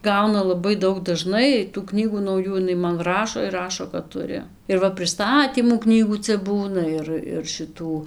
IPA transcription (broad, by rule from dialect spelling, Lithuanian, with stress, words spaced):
ˈɡɐʊnɐ lˠɐˈbɐɪ ˈdɐʊk dɐˈʒnɐɪ tuː ˈknʲiːɡuː nɐʊˈjuː ɪˈnɐɪ mɐn ˈrɑːʃoː ɪr ˈrɑːʃoː kɐt ˈtʊrʲɪ ɪr ˈʋɐ pʲrʲɪˈstɑːtʲiːmuː ˈknʲiːɡuː ˈt͡sʲɛ ˈbuːnɐ ˈɪr ɪr ʃʲɪˈtuː